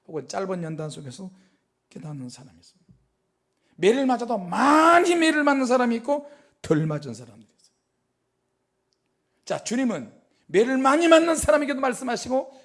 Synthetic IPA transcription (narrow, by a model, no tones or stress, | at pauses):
haɡont͡ɕ͈aɭbʌnjʌndansʰoɡe̞sʰʌ | k͈e̞danːɯnsʰaɾamiis͈ɯmid | me̞ɾɯɭmad͡ʑadomaɲime̞ɾɯɭmanːɯns̬ʰaɾamiːk͈o | tɯɭmad͡ʑɯnsʰaɾamdɯɾis͈ʌ̥j | t͡ɕat͡ɕuɲimɯn | me̞ɾɯɭmaɲimanːɯnsʰaɾamiɡidomaɭs͈ɯmɦaɕʰiɡo